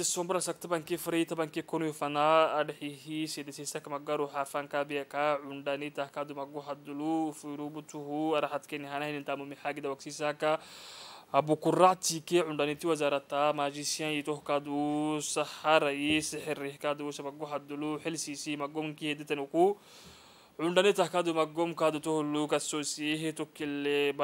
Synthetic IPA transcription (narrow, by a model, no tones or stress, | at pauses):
sisombɾasakt̪abaŋkefɾejit̪abaŋkekonuifanaːdħiɦised̪esisakamaɡaɾuħafaŋkabikaʕundanit̪ahkad̪umaɡoɦad̪ulufuɾubut̪uhuaɾaħat̪kenihanahinint̪amumiħaɡid̪awaksisakaː | bukurat̪ikeʕundanit̪iwazaɾat̪ːamaʒisjãjit̪ohkad̪usahaɾajisiħɛɾihkad̪usamaɡɔhad̪uluħelsisimaɡɔmkihed̪et̪enuku | ʕʊndanit̪ahkad̪umaɡɔmkad̪ut̪ohlːukasosɦit̪okːileb